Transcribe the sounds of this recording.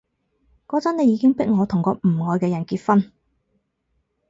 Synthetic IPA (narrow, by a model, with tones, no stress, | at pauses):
kɔː˨˥t͡sɐ˥ne˨˧jiː˨˧˥kɪ˥ŋpɪ˥k̚ŋɔː˨˧t̪ʰʊ˨˩ŋkɔː˧m̩˨˩ŋɔː˨˧jkɛː˧jɐ˨˩nkiː˧t̚fɐ˥n